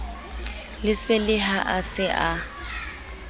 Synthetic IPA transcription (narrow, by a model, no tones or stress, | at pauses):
lɪsɪlɪɦaʔasɪʔa